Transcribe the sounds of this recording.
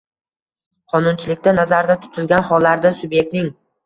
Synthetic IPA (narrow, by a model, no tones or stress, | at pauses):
qʰɒnʊnt͡ʃʰɪlɪkʲt̪ʰanazaɾd̪at̪ʰʊ̥t̪ʰɪlɡʲanhɒlːaɾd̪asʊbje̞k̚t̪nɪŋ